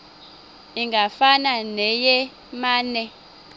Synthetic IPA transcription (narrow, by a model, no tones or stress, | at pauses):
iŋɡʱafananɛjɛ | maːnɛ